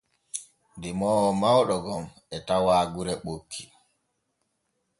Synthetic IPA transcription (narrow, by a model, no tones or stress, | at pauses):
ndimɔːɔmawɗɔɡɔm | ɛtawaːɡuɾɛɓokʰːi̥